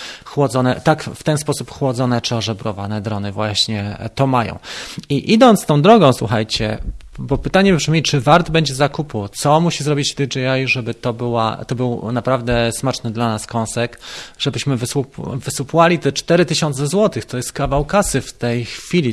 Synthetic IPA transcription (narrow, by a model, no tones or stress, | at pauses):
xwɔd̪zɔnɛt̪akft̪ɛnspɔsupxwɔd̪zɔnɛt͡ʂɘɔʐɛbɾɔva̰nɛd̪ɾɔnɘvwaɕɲɛt̪ɔmajɔ̰̃w̃iʔid̪ɔnt̪st̪ɔ̃w̃d̪ɾɔɡɔ̃w̃swṵxajt͡ɕɛ̰bɔpɘt̪aɲɛpʂɘmʲit͡ʂɘvaɾd̪bɛɲd͡ʑɛzakuput̪sɔmuɕizɾɔbʲit͡ɕd̪id͡ʒɛajʐɛbɘt̪ɔbɘwa̰t̪ɔbɘwnapɾavd̪ɛsmat͡ʂnɘd̪lanaskɔ̃w̃sɛkʐ̥ɛbɘɕmɘvɘsupvɘsupwalʲit̪ɛt͡ʂt̪ɛɾɘt̪ɘɕɔnt̪sɛzwɔt̪ɘxt̪ɔjɛst̪̚kavawkasɘft̪ɛjxfʲilʲi